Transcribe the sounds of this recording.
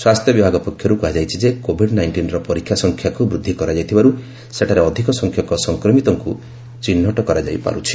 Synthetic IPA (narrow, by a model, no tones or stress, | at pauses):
swast̪jɔbibʱaɡɔpɔkʰjɔɾukɔɦad͡ʒajt͡ʃʰid͡ʒekobʱiɖnajɳʈinɾɔpɔɾikʰjasɔŋkʰjakubɾud̪ʱːikɔɾad͡ʒajt̪ʰibaɾu | seʈʰaɾeɔd̪ʱikɔsɔŋkʰjɔkɔsɔŋkɾɔmit̪ɔŋku | t͡ʃinːɔʈɔkɔɾad͡ʒa̰jpa̰ɾut͡ʃʰi̥